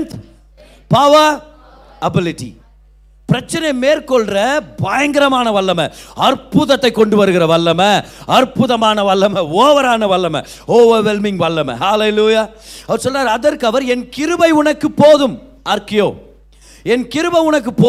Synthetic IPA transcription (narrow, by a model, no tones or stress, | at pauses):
nt̪ | paːʋa | ɐbɪlɪʈːḭ | pɪɾɐt͡ʃːɐnɐɪmeːrkɔɭrɐbaːjɐŋɡɪɾɐmaːnɐʋɐɭːɐmɐɐɾpʊðɐt̪ːɐɪkːɔɳɖɯʋɐɾɯɣɪrɐʋɐɭːɐmɐɐɾpʊðɐmaːnɐʋɐɭːɐmɐoːʋɐɾaːnɐʋɐɭːɐmɐ̰ | hoːʋɐɾʋɛlmɪŋɡʋɐɭːɐmɐ̰haːleluːjaːɐʋɐɾsɔlːaːɾɐðɐɾkɐʋɐɾɛnkɪɾɯbɐɪʊnɐkːɯpoːðɯm | ɐɾkɪjo̰ː | ɛnkɪɾɯbɐɪʊɳɐk̬ːɯpoː